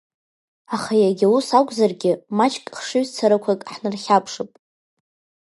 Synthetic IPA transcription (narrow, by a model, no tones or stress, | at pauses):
aχajaɡʲausakʷʼzarɡʲɪmat͡ʃʼkʼχʂɨɥzt͡sʰaɾakʷʰakʼħnɨrχʲapʰʂɨpʼ